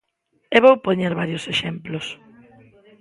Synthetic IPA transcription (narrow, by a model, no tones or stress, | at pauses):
eβowpoɲeɾβaɾjʊseʃemplʊs